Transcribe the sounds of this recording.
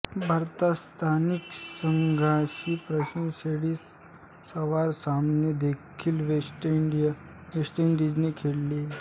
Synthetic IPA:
bʱaɾt̪ast̪ʰaniksəŋɡʱaɕiːpɾəɕnseɽiːsː | əʋaɾsamned̪ekʰiːlʋeʈiɖi | ʋesʈiɳɖid͡ʑnekʰelːi

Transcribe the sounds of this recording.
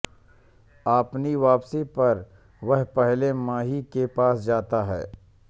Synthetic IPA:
aːpniʋaːpsipɐɾ | ʋɐɦpɛɦlemãːɦikepaːsd͡ʒaːt̪aɦɛ̰ː

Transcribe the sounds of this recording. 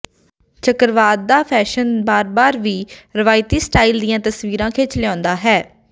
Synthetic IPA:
t͡ʃəkəɾʋaːd̪̚ːaːpʰɛːʃənbaːɾbaːɾʋiːɾɪʋaːɪt̪iːsʈaːɪld̪iːãːt̪əsʋiːɾãːkʰeːt͡ʃlɪãːnd̪aːɦɛː

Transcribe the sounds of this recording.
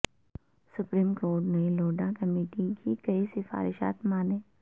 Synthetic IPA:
sʊpɾiːmkoːɾʈneloːɖakɐmeːʈikʰikɐisɪfa̰ːɾɪʃa̰ːt̪maːneː

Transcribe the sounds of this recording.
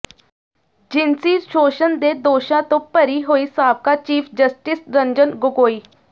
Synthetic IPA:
d͡ʒɪnsiːʃoːʃənd̪eːd̪oːʃãːt̪õːpəɾiːɦoːiːsaːb̚kaːt͡ʃiːpʰd͡ʒəsʈɪsɾəɲd͡ʒənɡʊkoːiː

